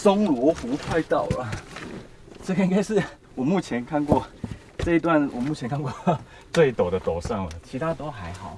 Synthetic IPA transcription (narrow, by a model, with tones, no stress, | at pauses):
sɔ˦ŋlwɔ˧˦˥fu˨˥kʰwa˥˧ɪt̪ɑ˥˩ʊlə˨˩ | t͡sɤ˥˩ɡə˨ĩ˦ŋka˥ɪʂɻ̩˥˩ | wɔ˨˩mu˥˩t͡ɕʰjɛ˨˦nkʰa˥˧nkwɔ˥˧ | ʈ͡ʂɤ˥˧i˧t̪wa˥˨nwɔ˨˩mu˥˩t͡ɕʰjɛ˧˦nkʰa˥nkwɔ˥˩ | t͡swe˥˩ɪt̪o˨˩ʊd̪ə˦t̪o˨˩ʊsɑ˥˩ŋə˨˩t͡ɕʰi˧˥t̪ʰa˦˥˧t̪o˥˦xa˧˦˥ɪxɑ˨˩˦